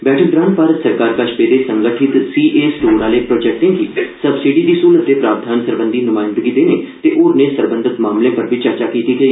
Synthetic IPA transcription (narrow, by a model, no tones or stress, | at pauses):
bɛːʈʰək̚ɡ̪ɾãːnt̪̚paːɾət̪səɾkaːɾkəʃpeːd̪eːsəŋɡəʈʰɪt̪siːʔeːsʈoːɾnaːleːpɾoːd͡ʒɛːk̚ʈɪ̃ŋɡɦiːsəbsiːɖiːd̪iːsuːlət̪̚ːeːpɾaːɾd̪ʱaːnsəɾbənd̪iːnʊmaːɪ̃nd̪əɡiːd̪eːneːt̪eːʔoːɾneːsəɾbə̃nd̪ət̪maːmlẽːpəɾbʱiːt͡ʃəɾt͡ʃaːkiːt̪iɡəiː